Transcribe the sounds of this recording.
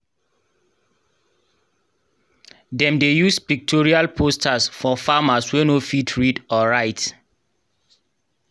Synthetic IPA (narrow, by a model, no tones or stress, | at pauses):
dɛ̃mdejuspik̚tʰɔɹialpʰostʰasfɔfamaswɛnofitʰɹidɔɹaɪt